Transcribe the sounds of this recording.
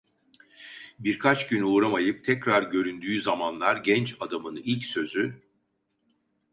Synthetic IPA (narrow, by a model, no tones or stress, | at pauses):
biɾkʰat͡ʃɟynuːɾamajɯp̚t̪ʰɛcɾaɾɟø̞ɾynd̪yːzamanlˠaɾɟɛnt͡ʃad̪amɯnilʲcsø̞zy